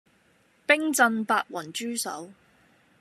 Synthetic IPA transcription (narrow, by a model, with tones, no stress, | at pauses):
pɪ˥ŋt͡sɐ˧npaː˧t̚wɐ˨˩nt͡ʃyː˥sɐ̰˨˥w